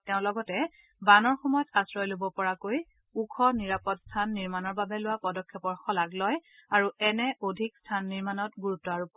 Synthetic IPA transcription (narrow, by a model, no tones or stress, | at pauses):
tɛʊ̃lɔɡɔtɛ | banɔɹxɔmɔjɔtasɹɔjlobɔpɔɹakoj | ukʰɔniɹapɔtstʰanːiɹmanɔɹbabɛlʊwapɔdɔkʰːɛpɔɹxɔlaklɔjaɹuɛnɛʔodʱikstʰanːiɹmanɔtɡuɹutːɔaɹup